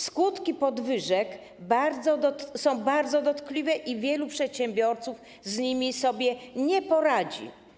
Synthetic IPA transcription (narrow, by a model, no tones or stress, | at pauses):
skut̪kʲipɔd̪vɘʐɛk | baɾd̪zɔd̪ɔt̪sɔ̃w̃baɾd̪zɔd̪ɔt̪klʲivɛʔivʲjɛlupʂɛt̪ɕɛmbʲjɔɾt̪suf | zɲimʲisɔbʲjɛɲɛpɔɾad͡ʑḭ